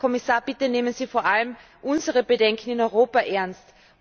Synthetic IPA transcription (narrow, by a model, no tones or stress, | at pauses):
ɔmɪsaːɐb̥ɪtəneːmənz̥iːfoːɐʔaləm | ʔʊnzəʁəbədɛŋkʰn̩ɪnɔʏʁoːpɐʔɛɐnst